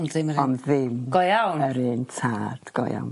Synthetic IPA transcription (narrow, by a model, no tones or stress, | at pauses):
nðɪməɾɔnðɪmɡ̥ɔjawnəɾɨntʰaːd̥ɡ̥ɔ̰ja̰wn